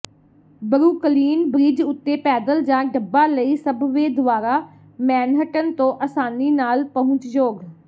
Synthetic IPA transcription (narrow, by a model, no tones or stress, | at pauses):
bəɾuːkəliːnbɾiːd͡ʒʊt̪ːeːpɛːd̪əld͡ʒãːɖəbːaːləiːsəbʋeːd̪ʊʋaːɾaː | mɛːnɦəʈənt̪õːʔəsaːniːnaːlpəɦʊ̃ɲt͡ʃd͡ʒoːɡ